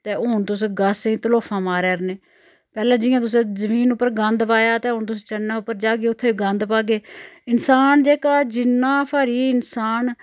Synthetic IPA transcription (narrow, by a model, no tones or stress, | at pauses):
t̪eːʊnt̪ʊsɡasĩːt̪əloːpʰãːmaːɾɛːɾneː | pɛːlãːd͡ʒɪːãːt̪̬ʊs̬ẽːzəmiːnʊpːəɾɡə̃nd̪paːjaːt̪eːɦʊnt̪ʊseːt͡ʃənaːʊpːəɾd͡ʒaːɡeːʊt̪ʰːeːɡə̃nd̪paːɡeːɪnsaːnd͡ʒeːkaːd͡ʒɪnːãːpʰaːɾiːɪnsaːn